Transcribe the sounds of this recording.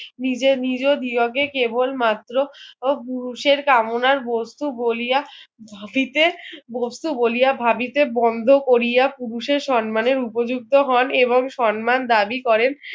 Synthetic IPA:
nid͡ʑenid͡ʑod̪iokekebolmat̪ːɾopuɾuʃeɾkamonaɾbost̪ubolijabʱabit̪ebost̪ubolijabʱabit̪ebɔnd̪ʱokoɾijapuɾuʃeɾʃɔnmaneɾupod͡ʑuk̚t̪oɦɔneboŋʃɔnmand̪abikɔɾen

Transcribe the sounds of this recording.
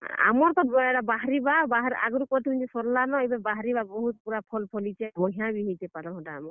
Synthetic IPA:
a̰mɔɾt̪ɔɛʈabaɦɾibabaɦɾa̰ɡɔɾukɔɾt̪ʰimid͡ʒisɔɾlanɔejbabaɦɾibabɔɦut̪puɾapʰɔlpʰɔlit͡ʃʰamɔɦãbiɦojt̪epaɾɔɦɔʈaːmɔɾ

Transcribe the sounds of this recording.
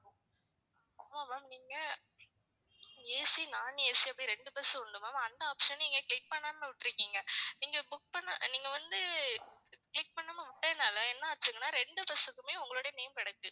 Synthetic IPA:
aːmaːmaːmniːŋɡɐ | eːsinaːneːsiɐpɐɽiɾɛɳɖɯpɛsɯʊɳɖɯmaːmɐnd̪ɐaːpʂɐnniːŋɡɐkɭɪk̚pɐɳːaːmeʋɪʈːɪɾɯkːiːŋɡɐniːŋɡɐbʊk̚pɐɳːɐ̰niːŋɡɐʋɐnd̪ɯ | kɭɪk̚pɐɳːɐmɐmʊʈːeːnaːlɐɛnːaːt͡ʃ̪ːɯɾɯŋɡɐnːaːɾɛɳɖɯpɛsɯkːɯmeːʊŋɡɐɭoːɽɐjɐmeːmkɪɽɐkːɯ

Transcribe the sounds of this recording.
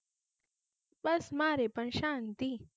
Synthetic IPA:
bɐsmaːɾepɐnʃaːnt̪i

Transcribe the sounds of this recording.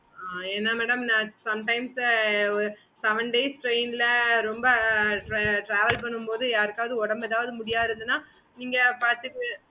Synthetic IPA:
aːɛnːɐmɛːɽɐmnãːsɐmʈɐɪms | sɐʋɐɳɖeːsʈɾeɪnɪlɐɾɔmbɐɾʈɾaːʋɐlp̬ɐɳːɯmpoːðɯjaːɾɯkːaːʋɐðɯɔɽɐmbɛðaːʋɐðɯmʊɽɪjaːðɪɾɯnd̪ɯnaː | niːŋɡɐpaːɾt̪ɯʈːɯ

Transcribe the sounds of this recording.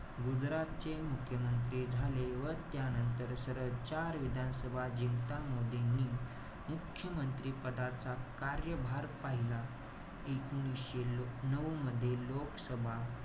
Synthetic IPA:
ɡud͡zɾat̪̚t͡ɕemukʰjəmənt̪ɾiːd͡zʱaleʋəɾt̪janənt̪əɾsəɾəɾt͡ɕaɾʋid̪ʱansəbʱad͡ʑint̪amod̪ʱenːiː | mukʰjəmənt̪ɾiːpəd̪at͡sakaɾjəbʱaɾpaɦila | ekuñisɕenəʋməd̪ʱːjelokəsəbʱa

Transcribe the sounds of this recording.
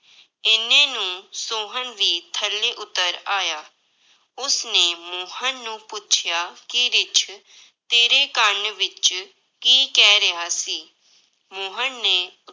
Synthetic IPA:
ɪnẽːnũːsoːɦənʋiːt̪ʰəlːeːʔʊt̪ːəɾaːjaː | ʊsneːmoːɦənːũːpʊt͡ʃʰjaːkɪɾɪt͡ʃ | t̪eːɾeːkəɾɳʋɪt͡ʃ | kiːkɛːɾəɦaːsiː | moːɦənːeː

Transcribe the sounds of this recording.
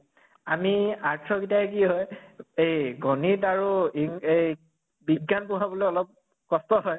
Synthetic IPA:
amiaɹtʰɔkitakiɦɔjejɡɔnitaɹuiŋej | biɡːanpuɦabɔlojɔlɔp̚ | kɔstɔɦɔj

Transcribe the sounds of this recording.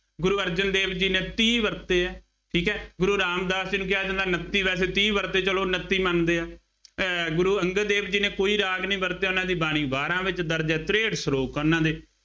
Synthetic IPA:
ɡʊɾuːəɾd͡ʒənd̪eːbd͡ʒiːnẽːt̪iːʋəɾt̪eːɛː | ʈʰiːkɛːɡʊɾuːɾaːmd̪aːsd͡ʒɪnũːkɪaːd͡ʒãːnd̪aːnət̪ːiːʋɛːseːt̪iːbəɾt̪eːt͡ʃəloːnət̪ːiːmənd̪eːaː | ɡʊɾuːəŋɡəd̪eːbd͡ʒiːnẽːkoːiːɾaːɡnĩːbəɾt̪eːʊnãːd̪iːbaːɽ̃ĩːbaːɾãːʋɪt͡ʃd̪əɾd̪eɛːt̪ɾeːɖsɾoːkʊnãːd̪eː

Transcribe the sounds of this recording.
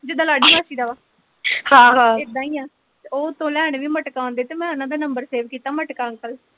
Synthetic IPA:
d͡ʒɪd̪ãːlaːɖiːmaːʃiːd̪aːʋaː | hãːɦãːɪd̪ãːiːaː | oːt̪õːlɛːɳʋiːməʈkaːõːnd̪eːt̪eːmɛ̃ːənãːd̪aːnəmbəɾseːʋkiːt̪aːməʈkaːəŋkəl

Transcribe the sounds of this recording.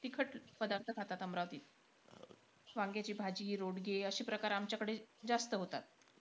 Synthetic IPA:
t̪ikʰəʈpəd̪aɾt̪ʰəkʰat̪at̪əmɾaʋt̪iːt̪̚ | ʋaŋɡjat͡ɕiːbʱad͡ʑiːɾoɽɡeəɕiːpɾəkaɾamt͡ɕjakəɽed͡zast̪əɦot̪at̪̚

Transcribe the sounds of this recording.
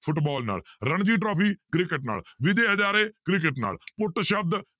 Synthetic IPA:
pʰʊʈbɔːlna̰ːlɾəɳd͡ʒiːʈɾoːpʰiːkɾɪkɪʈna̰ːlʋɪd̪eːɦəd͡ʒaːɾeːkɾɪk̬ɪʈna̰ːlpʊʈʃəb̚d̪

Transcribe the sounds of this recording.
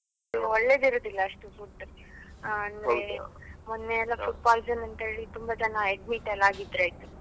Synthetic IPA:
ɔɭːeːd̪iɾoːd̪ilːɐɐʂʈufuʈːɾ | ɐnd̪ɾemonːeɛlːɐfuʈ̚baːlsɐnɐnt̪ɐɦe̞ːɭit̪umbɐt͡ʃɐnɐeɖmiʈɐlːaːɡid̪ɾaːjt̪u

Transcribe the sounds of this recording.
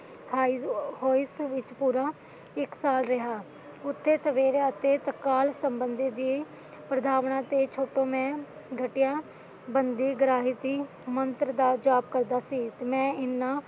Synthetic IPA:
haːihoːsʋɪt͡ʃpuːɾaː | ɪksaːlɾɪɦaː | ʊt̪ʰːeːsəʋeːɾeət̪eːt̪əkaːlsəmbənd̪eːd̪ie | pɾəd̪ʱaːʋɳãːt̪eːt͡ʃʰoːʈõːmɛ̃ː | ɡʱəʈɪjaː | bənd̪iːɡɾaːɦɪt̪iː | mənt̪ɾd̪aːd͡ʒaːb̚kəɾd̪aːsiːt̪eːmɛ̃ːɪnːãː

